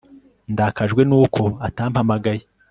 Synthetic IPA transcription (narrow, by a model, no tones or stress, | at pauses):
ndaːkaʒɡwe̞nuːkʰo̞ataːmpamaɡaji